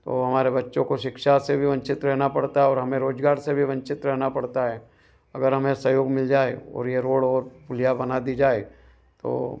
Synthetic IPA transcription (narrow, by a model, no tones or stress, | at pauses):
t̪o̰ɦɐmaːɾebɐtːʃõkoʃɪkʃasebʱiʋɐ̃ɲt͡ʃɪt̪ɾɛɦnapɐɽt̪aɦɛɔːɾɦɐmẽɾoːd͡ʒɡaːɾsebʱiʋɐ̃ɲt͡ʃɪt̪ɾɛɦnapɐɽt̪aɦɛː | ɐɡəɾɦɐmẽsɐjoːɡmɪld͡ʒaːeɔ̰ːɾjeɾoːɽɔːɾpʊlijabɐnad̪id͡ʒaːe | t̪o̰ː